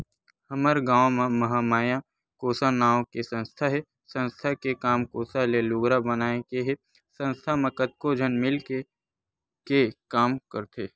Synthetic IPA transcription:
həməɾɡãːʋmẽmɐɦamaːjã | koːsanaːõkesə̃nst̪ʰaɦɛ | sə̃nst̪ʰakekaːmkoːsalelʊɡɾabənaːekeɦe | sə̃nst̪ʰamẽkət̪̚kod͡ʒʱənmɪlke | kekaːmkəɾt̪ʰeː

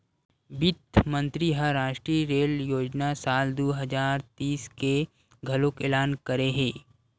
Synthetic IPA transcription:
bɪt̪mə̃nt̪ɾiɦəɾaːʃʈɾiɾeːljoːd͡ʒnasaːld̪oːɦɐzaːɾt̪iːske | ɡʱɐlokeːlaːnkɐɾeɦẽː

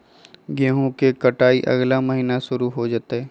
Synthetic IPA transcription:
ɡẽːɦõkekɐʈaːiʔɐ̰ɡlaməɦiːnaʃʊɾuɦod͡ʒaːt̪eɦɛː

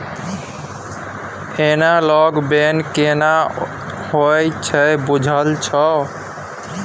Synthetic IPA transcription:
enalɔɡbenkena | hojt͡ʃʰɛbud͡ʒʱəlt͡ʃʰə

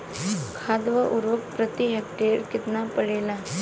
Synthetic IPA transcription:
kʰaːd̪ʋɐʔuɾʋɐk̚pɾɐt̪iɦek̚ʈeɾkit̪napɐɭela

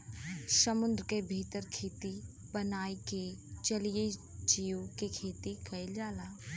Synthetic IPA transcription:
səmʊ̃nd̪ɾkebʱiːt̪əɾkʰeːt̪i | bənaːiket͡ʃɐlied͡ʒiokekʰeːt̪ikɐɪld͡ʒaːlaː

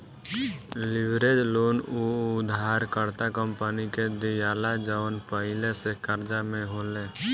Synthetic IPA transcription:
lɪʋɾed͡ʒloːnuʊd̪ʱaːɾkəɾt̪akəmpaniked̪ijaːlad͡ʒəʋənpəɦɪlesekəɾd͡ʒamẽɦoːleː

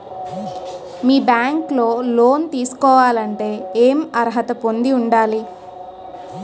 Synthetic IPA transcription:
miːbjaːŋkloːlo̞ːnt̪iːsu̥kɔːʋaːlɐɳʈe̞ːeːmɐɾɦɐt̪ɐpond̪iuɳɖaːli

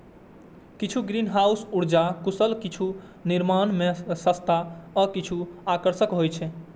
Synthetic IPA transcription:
kit͡ʃʰuɡɾinɦausuɽd͡ʒakusəlkit͡ʃʰu | niɾmanmesəst̪ʰaəkit͡ʃʰuakəɾsəkɦojt͡ʃʰɛ

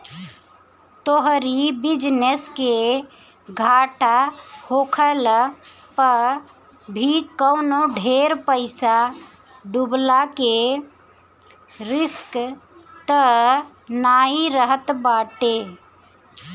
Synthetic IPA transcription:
t̪oɦɾibid͡ʒneske | ɡʱaʈahokʰəl | pəɾ | bʱikəwnoɖʱeɾpəɪsa | ɖublake | ɾiskt̪ə | naiɾəɦət̪baʈe

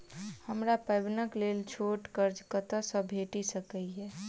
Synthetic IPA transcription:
həmɾapəjbnəklelt͡ʃʰoʈkəɾd͡ʒkət̪əsə̃bʱeʈisəkəiɦɛ

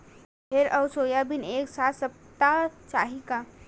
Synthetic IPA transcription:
ɦeɾəʊsojabineksat̪səp̚t̪at͡ʃaːɦika

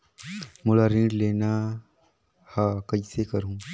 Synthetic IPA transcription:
mʊlaɾĩɖleːna | hakɐisekɐɾũː

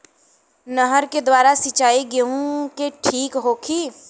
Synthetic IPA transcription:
nəɦəɾked̪waːɾasit͡ʃaːiɡeũkeʈʰiːkɦoːkʰiː

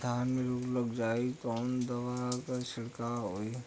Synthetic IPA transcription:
d̪ʱaːnmẽɾoːɡləɡd͡ʒaːekɔːnd̪ɐʋaːɾakaʃɪɽkaːɾɦoːi

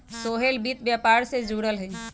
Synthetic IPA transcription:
soːɦelbit̪bjapaːɾsed͡ʒuːɽəlɦəi

